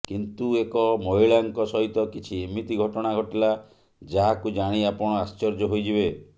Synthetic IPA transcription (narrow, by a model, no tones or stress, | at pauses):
kint̪uekɔmoiɭaŋkɔsɔɦit̪ɔkit͡ʃʰiemit̪iɡʱɔʈɔɽ̃aɡʱɔʈila | d͡ʒaɦakud͡ʒaɽ̃iapɔɽ̃ɔast͡ʃɔɾd͡ʒɔɦojd͡ʒibe